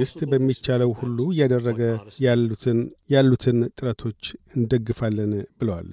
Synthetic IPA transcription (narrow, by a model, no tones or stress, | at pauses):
ɡɨst̪ʼbəmːit͡ʃːaləwhulːujad̪ərːəɡə | jalːut̪ʰɨnt̪ʼɨɾət̪ʰo̞t͡ʃːɨnd̪əɡːɨfalːənbɨləwa̰l